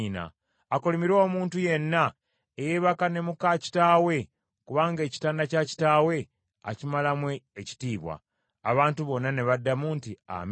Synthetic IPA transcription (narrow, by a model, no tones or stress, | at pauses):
na̰ː | kolemiɾo̞ːmuːntuje̞nːa | ejeːβakane̞mukaci̥taːwe̞ | kuβaːŋɡe̞ːci̥taːndacaci̥taːwe̞ | a̰cimalamweːci̥tiːβwa̰ː | βaːntuβo̞nːane̞βadːamuntia̰m